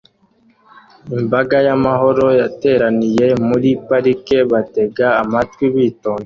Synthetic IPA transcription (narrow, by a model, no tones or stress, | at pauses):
imbaɡajamaɦo̞ɾo̞jate̞ːɾanije̞muɾipaɾike̞βate̞ɡaːmatwiβiːtoːŋɡo